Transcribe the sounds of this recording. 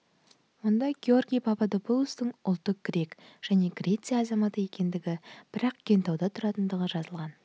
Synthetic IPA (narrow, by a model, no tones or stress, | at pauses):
wo̞nd̪ɑɡʲeo̞rɡʲijpʰɑpɑd̪opolˠust̪əɴʊlˠt̪ːəq̚ɡ̥ɾʲe̞kʒ̥æne̞ɡɾʲe̞t̪sɨjɑɑzɑmɑt̪əje̞kʲe̞nd̪ɪɡʲɪb̥ɪɾɑq̚ɡ̥ʰʲe̞nt̪ɑwd̪ɑt̪ʰʊɾɑt̪ənd̪əʁəʒɑzəlˠʁɑn